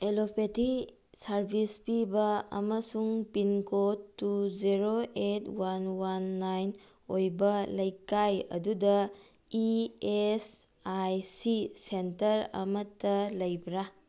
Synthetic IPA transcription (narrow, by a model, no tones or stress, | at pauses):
elopʰeti | sɐɾbʱispibɐɐ̰mɐsuŋpinkotːuziɾoetwanwanːajn | ojbɐlɐjkajɐ̰dudɐ | ies | ajsisentɐɾɐ̰mɐtːɐlɐjbɾa